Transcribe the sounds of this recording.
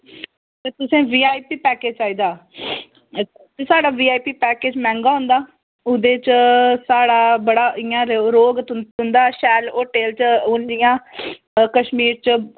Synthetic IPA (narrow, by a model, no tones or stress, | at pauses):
t̪eːt̪ʊsẽːʋiːaːiːpiːpɛːkeːd͡ʒt͡ʃaːiːd̪aː | t̪esaːɽaːʋiːaːiːpiːpɛːkeːd͡ʒmɛ̃ːŋɡaːɦʊ̃nd̪aː | ʊd̪eːt͡ʃsaːɽaːbəɽaːʔɪjãːɾɾoːɡ̪ʊnd̪aːʃɛːloːʈeːlt͡ʃʊnd͡ʒɪjãː | kəʃmiːɾt͡ʃ